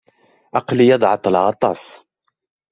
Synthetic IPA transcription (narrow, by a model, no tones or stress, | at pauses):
ʔɑqləjɑd̪ˤʕɑt̪ˤːəlɑt̪ˤɑ̰sˤ